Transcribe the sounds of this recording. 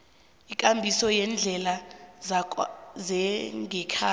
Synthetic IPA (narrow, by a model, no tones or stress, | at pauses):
ikʼambʱisɔjɛnd͡ɮʱɛla | zɛŋɛkʰa